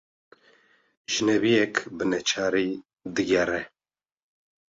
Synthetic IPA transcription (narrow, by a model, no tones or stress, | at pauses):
ʒɨnɛvijɛkbɨnɛt͡ʃʰaːɾiː | d̪ɨɡɛrɛ